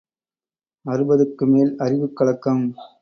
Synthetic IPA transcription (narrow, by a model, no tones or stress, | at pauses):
ɐɾɯbɐðɯkːɯmeːlɐrɪʋɯkːɐɭɐkːɐm